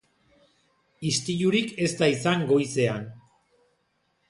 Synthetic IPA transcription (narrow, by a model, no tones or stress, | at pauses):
ist̪iʎuɾike̞st̪aisaŋɡo̞jse̞an